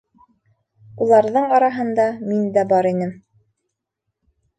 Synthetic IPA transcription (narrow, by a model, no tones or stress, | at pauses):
ulˠɑɾðɤɴɑɾɑɦɤ̆nd̪ɑmind̪æbɑɾinɘm